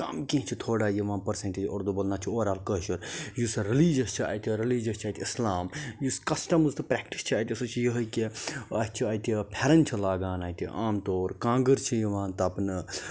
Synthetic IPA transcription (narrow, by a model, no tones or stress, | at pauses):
kɐ̰mkĩɦt͡ʃʰit̪ʰoːɽaːjiʋãːnpɐɾsẽnʈeːd͡ʒo̰ɾd̪ubɐlnaːt͡ʃʰioːɾaːlkəɦʃuɾjusɾiliːd͡ʒɐst͡ʃʰia̰ːjt̪ʲiɾiliːd͡ʒɐst͡ʃʰaːjt̪ʲiislaːmjuskɐsʈɐmuzt̪ɨpɾɛːk̚ʈi̥st͡ʃʰiaːjt̪ʲisut͡ʃʰijəɦɐkiɐst͡ʃʰiɐːjt̪ʲipʰeɾɐnt͡ʃʰilaːɡaːnaːit̪ḭʔaːmt̪oːɾkãːŋɡəɾt͡ʃʰijɐʋãːnt̪ɐpn